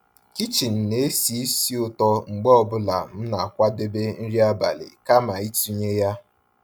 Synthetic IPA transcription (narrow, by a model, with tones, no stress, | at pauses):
ki˦t͡ʃi˨n̩˨ne˨˦e˦si˨˦i˦si˦ʊ˨tɔ˦ŋ͡m̩˨ɡ͡bɔ˦ɔ˦bʊ˦la̰˨m̩˦na˨a˨kʷa˦de˦be˦n̩˦ɾi˦a˦ba̰˨lɪ̰˨ka˦ma˨i˦tu˦ɲe˦ja˦